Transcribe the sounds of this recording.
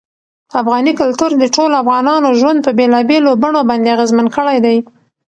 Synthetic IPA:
afɣɑnikʊlt̪uɾd̪əʈolafɣɑnɑnoʒwand̪̚pəbelɑbelobaɳobɑnd̪eaɣezmankəɽajd̪aj

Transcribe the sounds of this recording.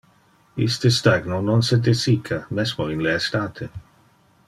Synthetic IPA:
ḭst̪əst̪aɡnononsed̪esikʰamesmoinleːst̪aːt̪ʰe

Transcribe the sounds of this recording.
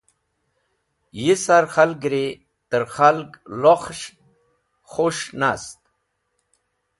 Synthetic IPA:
jisaɾxalɡɾi | t̪əɾxalɡloχʃ | χoʂnast̪̚

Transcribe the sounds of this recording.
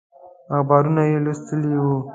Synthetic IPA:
axbɑɾunajelust̪əliwu

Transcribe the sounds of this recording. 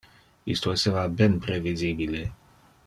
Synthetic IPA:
ḭst̪oesɛvabɛnpɾɛvizibile

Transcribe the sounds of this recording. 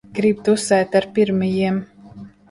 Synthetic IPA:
ɡ̥ɾib̚t̪usɛjt̪aɾpiɾmijiɛm

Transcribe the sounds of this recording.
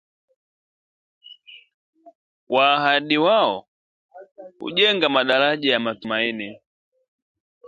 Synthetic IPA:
wʔaːɦaɗiwaɔ | hṵʄɛŋɡamaɗalaʄajamatumaini

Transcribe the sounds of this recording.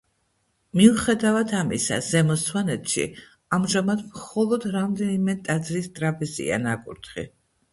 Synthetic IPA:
miuχɛd̪avat̪ʰamḭsa̰z̥ɛmɔssʰwanɛt̪ʰʃḭ | amʒamad̪mχɔlˠɔd̪ɾamd̪ɛnimɛt̪ʼad̪zɾist̪ʼɾabɛzḭa̰nakʼṵɾt̪ʰχḭ

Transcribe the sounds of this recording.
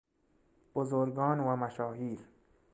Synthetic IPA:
b̥ozoɾɡɒːnvæmæʃɒːhiːɾ

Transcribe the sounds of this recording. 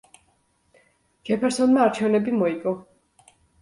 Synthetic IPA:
ɡ̥ʰɛpʰɛɾsɔnmaaɾt͡ʃʰɛvnɛbimɔikʼɔ

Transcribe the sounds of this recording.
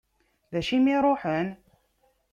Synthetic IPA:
ðæʃimiɾˤoħən

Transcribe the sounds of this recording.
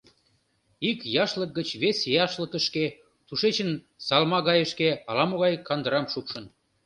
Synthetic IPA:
ikjɑʃlək̚ɡət͡ɕβesjɑʃləkəʃke | t̪uʃet͡ɕən | sɑlmɑɣɑjəʃkeɑlɑmoɣɑjkɑnd̪əɾɑmʃukʃə̆n

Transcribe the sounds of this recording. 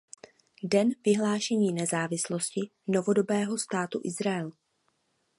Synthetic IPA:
dɛnvɪɦlaːʃɛɲiːnɛzaːvɪslo̞scɪ | no̞vo̞do̞bɛːɦo̞st̪aːt̪ṵʔɪzɾaɛl

